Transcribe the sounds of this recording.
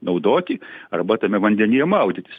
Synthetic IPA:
nɐʊd̪oːt̪ʲɪɐrbɐt̪ɐmʲɛʋɐnʲd̪ʲɛnʲɪjɛmɐʊd̪ʲɪt̪ʲɪs

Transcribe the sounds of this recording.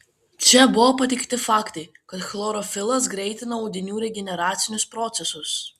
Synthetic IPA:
t͡ʃʲɛbʊʋoːpɐt̪ʲɪkt̪ʲɪfɑːkt̪ɐɪ | kɐt̪xlˠoːɾɔfʲɪlˠɐs̬ɡɾʲɛɪt̪ʲɪnɐːʊd̪ʲɪnʲuːɾʲɛɡʲɛnʲɛɾɑːt̪sʲɪnʲʊspɾɔt̪sʲɛsʊs

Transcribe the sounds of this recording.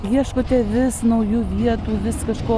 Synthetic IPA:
jiɛʃkoːt̪ʲɛʋʲɪsnɐʊjuːʋʲiɛt̪uːʋʲɪskɐʃkoː

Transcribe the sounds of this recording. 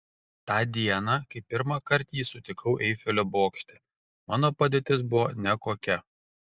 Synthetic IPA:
t̪ɑːd̪ʲiɛnɑkɐɪpʲɪɾmɑkɐɾʲˑt̪ʲiːsʊt̪ʲɪkʰɐʊʔɛɪfʲɛlʲoboːkʃʲt̪ʲɪ | mɑːnoːpɐd̪ʲeːt̪ʲɪsbʊʋoːnʲɛkoːkʲɛ

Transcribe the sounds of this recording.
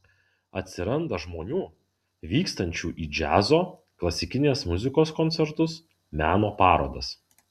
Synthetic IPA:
ɐ̰t̪ʲsʲɪɾɐnd̪ɐʒmoːnʲuː | ʋʲiːkst̪ɐnʲt͡ʃʲuːʔiːd͡ʒʲæ̰ːzoː | klˠɐsʲɪkʲɪnʲeːsmʊzʲɪkoːskɔnʲsʲɛɾt̪ʊs | mʲæːnoːpɑːɾo̰ːd̪ɐs

